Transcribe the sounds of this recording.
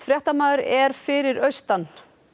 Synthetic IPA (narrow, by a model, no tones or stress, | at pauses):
fɾjɛht̪amaːðʏɾɛɾ̥fɪɾɪɾœɥst̪an